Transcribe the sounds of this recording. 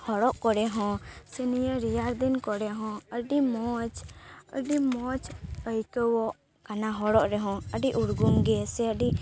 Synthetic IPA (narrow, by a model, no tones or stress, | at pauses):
hɔɽɔʔkɔɾɛɦɔ̃sɛnijəɾijaɾd̪inkɔɾɛɦɔ̃əɖimɔt͡ʃə̰ɖimɔt͡ʃəjkəwɔʔ | kanaɦɔɽɔʔɾɛɦɔ̃əɖiʔuɽɡuŋɡɛsɛəɖi